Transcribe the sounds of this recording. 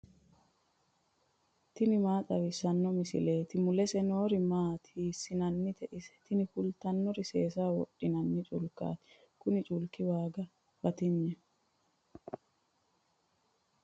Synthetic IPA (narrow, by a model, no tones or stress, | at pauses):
t̪ɪnɪmaːt̪ʼɐwɪsɐnːɔmɪsɪ̰leːt̪ɪmʊlɛsɛno̞ːɾɪmaːt̪hiːsːɪnɐnːɪt̪ɛʔɪsɛ̥t̪ɪnɪfʊlt̪ɐnːɔɾɪseːsaːwɔ̰ɗːɪnɐnːɪt͡ʃʼʊlkːa̰ːt̪ɪ̥ | kʊnɪt͡ʃʼʊlkɪwaːɡɐ | bɐt̪ɪɲːɛ